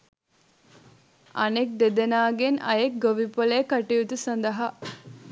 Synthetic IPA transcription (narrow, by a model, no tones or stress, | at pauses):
ʔɐnek̚d̪ed̪enaːɡenɐ̰jek̚ɡoʋipoleːkɐʈiut̪usɐnd̪ɐɦɐ